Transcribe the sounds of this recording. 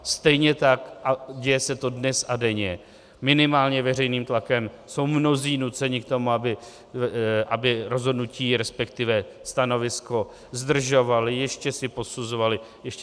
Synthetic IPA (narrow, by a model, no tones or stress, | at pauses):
st̪ɛjɲɛt̪akʔaɟɛjɛsɛt̪o̞dnɛsadɛɲɛ | mɪnɪmaːlɲɛvɛr̝ɛjniːmt̪lakɛm | so̞wmno̞ziːnut͡sɛɲɪk̚t̪o̞muabɪ | ʔabɪɾo̞zɦodnuciːɾɛspɛkt̪ɪvɛ | st̪ano̞vɪsko̞ | zd̪r̩ʒo̞valɪjɛʃcɛsɪpo̞suzo̞valɪ | jɛʃc